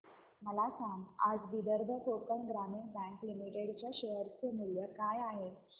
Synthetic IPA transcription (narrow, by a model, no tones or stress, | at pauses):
məlasãŋa̰d͡zʋid̪əɾd̪ʱət̪opəɳɡɾamiɳbɛ̃ŋklimiʈeɽt͡ɕjaɕeɦəɾt͡semuljəkajaɦe